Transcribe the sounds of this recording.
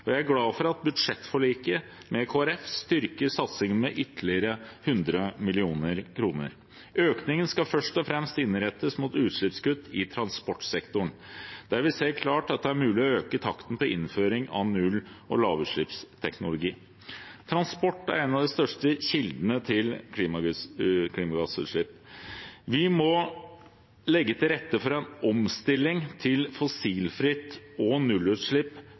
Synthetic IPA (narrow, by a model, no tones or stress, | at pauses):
ɔjæɪæɾɡlɑːfɔɾɑt̪̚bʉd̪ʂɛt̪ːfɔɭiːkəmɛkʰoːæɾɛfst̪ʏɾkəsɑt̪sɪŋənmɛʔʏt̪əlɪəɾəhʉnd̪ɾəmɪlɪuːnəɾkʰɾuːnə̰ɾ | øːknɪŋənskɑfœʂʈɔfɾɛmst̪ɪnːɾɛt̪ːəsmuːt̪ʉːt̪ʂɭɪpskʉt̪ːɪt̪ʰɾɑnspɔʈːsɛkt̪ʊɳd̪̥æɾʋɪseːəɾkʰlɑːʈɑt̪̚d̪ɛæɾmʉːlɪɔøːkət̪ʰɑkt̪n̩pʰɔɪnføːɾɪŋɑ̰nʉlʔɔ̰lɑːʋʉːʂɭɪpst̪ʰɛknʊlʊɡiː | t̪ʰɾɑnspɔʈːæ̰ɾɛnɑʋd̪ɛst̪œʂʈəɕɪld̪nət̪ʰɪlkʰliːmɑkʰliːmɑɡɑsʉ̰t̪ʂɭɪpː | ʋɪmɔ | lɛɡːət̪ʰɪlɾɛt̪ːəfɔɾɛnɔmst̪ɪlːɪŋt̪ʰɪlfɔsiːlfɾɪt̪ːɔnʉlːʉːt̪ʂɭɪpː